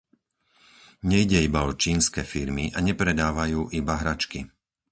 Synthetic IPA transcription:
ɲɛiɟɛibaɔt͡ʃiːnskɛːfiɾmiʔaɲɛpɾɛd̪aːʋajuːʔibaɦɾat͡ʃki

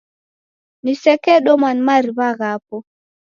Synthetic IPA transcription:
nisɛkɛɗɔmanmaɾiβaɣapɔ

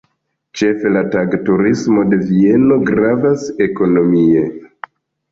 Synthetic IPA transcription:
t͡ʃe̞fe̞lataɡtuɾismo̞de̞vie̞no̞ɡɾavase̞ko̞no̞mie̞

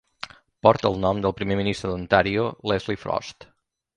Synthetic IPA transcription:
pɔɾt̪əːlˠnɔmd̪əlˠpɾimeminist̪ɾəðənt̪aɾiolɛzlifɾɔ̰st̪

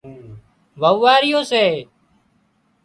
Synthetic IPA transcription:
ʋəʋːaːɾɪjõːseː

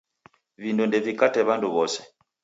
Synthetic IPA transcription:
vindundɛvikatɛβanduβɔsɛ̥

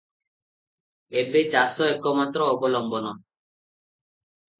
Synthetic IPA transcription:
ebet͡ɕasɔɛkɔmat̪ːɾɔɔbɔlɔmbɔnɔ

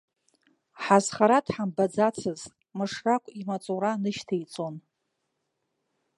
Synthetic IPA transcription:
ħazχaɾadħambad͡zat͡sʰɨzʼ | mɨʂrakʷʼimat͡sʼuɾanɨʃtʰajt͡sʼon

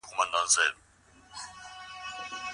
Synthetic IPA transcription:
umanand͡zʱɛːlɔ

